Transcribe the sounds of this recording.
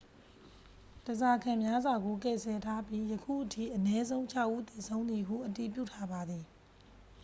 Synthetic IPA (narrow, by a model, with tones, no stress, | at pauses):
təza˨kʰã˨mja˦zwa˨ɡo˨kɛ̰˦˨sʰɛ˨tʰa˦pji˦jəkʰṵ˦˨ʔətʰḭ˦˨ʔənɛ˦zõ˦ʊ̃t͡ɕʰa˦˨ʊʔu˦t̪e˨sʰõ˦ʊ̃nd̪i˨ɦṵ˦˨ʔəti˨p̬jṵ˦˨tʰa˦ba˨d̪i˨